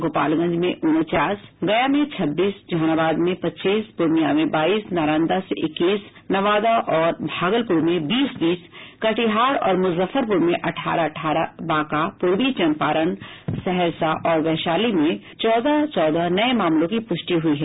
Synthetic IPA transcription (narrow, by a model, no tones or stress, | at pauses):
ɡoːpa̰ːlɡɐ̃nd͡ʒmẽʔʊnt͡ʃaːsɡɐjamẽt͡ʃʰɐbːiːsd͡ʒʱañabaːd̪mẽpɐtːt͡ʃʃiːsbʊɾmijamẽbaːiːsnaːɾãːnd̪aseʔɪkːiːs | nɐʋaːd̪aʔɔːɾbʱaːɡəlpʊɾmẽbiːsbiːskɐʈiɦaːɾɔ̰ːɾmʊzəfəɾpʊɾmẽʔɐʈʰa̰ːɾaʈʰaːɾabaːkapʊɾʋit͡ʃɐnpaːɾən | sɛɦɛɾsaʔɔːɾʋɛɦʃaːlimẽ | t͡ʃɔːd̪at͡ʃɔːd̪anɐemaːmlõkipʊʃʈiɦʊiɦɛː